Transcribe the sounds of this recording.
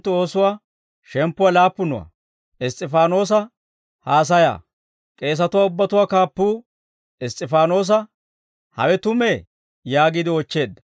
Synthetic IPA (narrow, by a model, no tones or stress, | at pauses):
t̪ːo̞ːsʊwaː | ʃɛmpːʊwalaːpːʊnʊ̰wa̰ | ɪsʼɪfaːno̞ːs̬ɐ | haːs̬ɐja̰ː | kʼe̞ːs̬ɐt̪ʊwaːʊbːɐt̪ʊwaːkaːpːuː | ɪst̪ʼɪfaːno̞ːs̬ɐ | hɐ̰wɛt̪ʊme | jaːɡid̪ɪɔt͡ʃːe̞ːd̪ːɐ̥